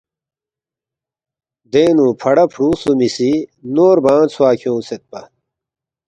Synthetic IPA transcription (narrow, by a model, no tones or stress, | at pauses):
d̪eːnuːpʰɐɽɐpʰɾuːsumisinoːɾbãːt͡sʰuwaːkʰjõːset̪̚pɐ